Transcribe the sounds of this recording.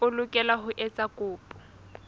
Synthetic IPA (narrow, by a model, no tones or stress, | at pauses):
ʊlʊkʼɛlaɦʊʔɛt͡sʼakʼʊːpʼʊ̥